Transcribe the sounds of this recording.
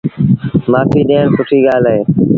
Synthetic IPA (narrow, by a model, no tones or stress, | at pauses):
maːfʰiːɗeːɳsʊʈʰiːɠaːleː